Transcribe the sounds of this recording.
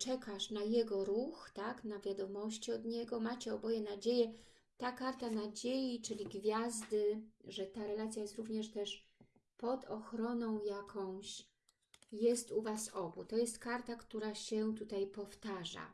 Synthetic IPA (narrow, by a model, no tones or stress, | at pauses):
t͡ʂɛkaʂnajɛɡɔɾuxt̪aknavʲjad̪ɔmɔɕt͡ɕiɔd̪ɲɛɡɔmat͡ɕɛɔbɔjɛnad͡ʑejɛ | t̪akaɾt̪anad͡ʑejit͡ʂɘlʲiɡvʲjazd̪ɘʐɛt̪aɾɛlat̪sʲjajɛst̪ɾuvɲɛʂt̪ɛʂ | pɔd̪ɔxɾɔnɔ̃w̃jakʰɔ̃w̃ɕ | jɛst̪uvasɔbut̪ɔjɛst̪kaɾt̪akt̪uɾaɕɛt̪ut̪ajpɔft̪aʐa̰